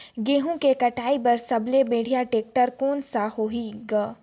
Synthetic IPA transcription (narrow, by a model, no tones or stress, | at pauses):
ɡeːɦõkekɐʈaːipɐɾsɐblebeːɽ̤ijaʈeːk̚ʈəɾkoːnsahoːiɡaː